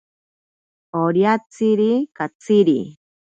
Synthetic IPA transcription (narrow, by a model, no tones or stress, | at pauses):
oɾjat͡siɾikat͡siɾḭ